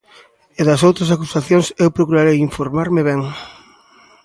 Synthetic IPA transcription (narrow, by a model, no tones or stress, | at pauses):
eðɐs̬owt̪ɾɐs̬akusaθjõŋsewpɾokuɾaɾejiɱfoɾmaɾmeβeŋ